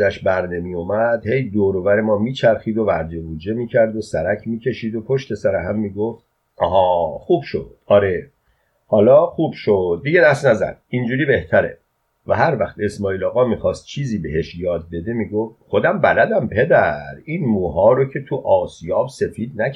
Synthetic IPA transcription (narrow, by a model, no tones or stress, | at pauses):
æʃbæɾnemijomæd̪̥he̞jd̪oːɾovæɾe̞mɒːmiːt͡ʃʰæɾxiːd̪o̞væɾd͡ʒe̞buːd͡ʒe̞miːcʰæɾd̪osæɾæcʰmiːcʰe̞ʃiːd̪o̞pʰo̞ʃt̪e̞sæɾeɦæmːiːɡoft̪̚ | ʔɒ̰ːɦɒːxuːb̥ʃo̰d̪̥ɒːɾe | hɒːlɒːxuːb̥ʃod̪̚ːiɟe̞d̪æst̪næzæ̰d̪̥̚ind͡ʒuːɾiːbe̞ht̪ʰæɾe̞̰ | væɦæɾvæxt̪e̞smɒːiːlɒːɣɒːmiːxɒːst̪̚t͡ʃʰiːziːbe̞ɦe̞ʃjɒːd̪̚be̞d̪e̞miːɡoft̪̚xo̞d̪æmbælæd̪æmpʰe̞d̪æɾiːnmuːɦɒːɾocʰe̞t̪ʰuʔɒːsijɒːbse̞fiːd̪næ